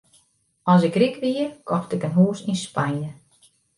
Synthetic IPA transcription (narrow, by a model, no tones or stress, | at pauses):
ɔs̬ɪkrikʋiərkʰɔxtɪkənɦuːsinspajə